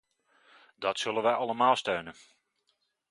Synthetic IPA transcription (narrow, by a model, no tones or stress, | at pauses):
d̥ɑtsɵlənʋɛjʔɑləmaːlˠstøɥnən